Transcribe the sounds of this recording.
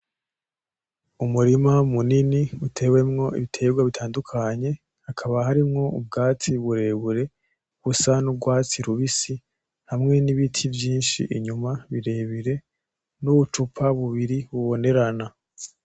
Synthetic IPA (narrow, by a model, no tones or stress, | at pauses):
umuɾimamuniniutʰe̞ːwe̞mŋo̞ḭβitʰe̞ːɡwaβitʰaːndukʰaɲe̞ | hakʰaβahaɾimŋo̞ub̚ɡaːt͡siβuɾe̞βuɾe̞ | ɡ̥usanubɡwaːt͡siɾuβisi | hamŋe̞niβitʰivjiːnʃḭʔiɲumaβiɾe̞ːβiɾe̞ | nuβut͡ʃupʰaβuβiɾiβuβo̞ne̞ɾana